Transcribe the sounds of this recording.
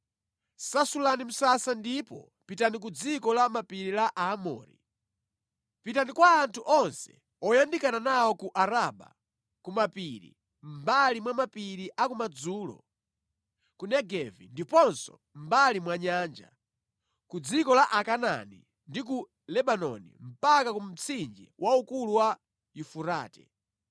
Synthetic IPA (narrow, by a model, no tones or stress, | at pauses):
sasulanim̩sasandipɔ̰ | pitanik̬ud͡zikɔlamapiɾilaʔaːmɔ̰ːɾḭ | pitanikwaːntʰuʔɔnsɛ̰ | ɔjandikananawɔkuʔaɾaɓa̰ | kumapiɾḭ | mbalimwamapiɾiʔakumad͡zuːlɔ̰ | kunɛɡɛvindipɔnsɔ̰ | m̩balimwaɲaːnd͡ʒa̰ | kud͡zikɔlaʔakana̰ni | ndik̬u | lɛbanɔ̰nḭm̩pakakum̩t͡sʰind͡ʒiwʔaukuluwa | jufuɾaːtɛ̰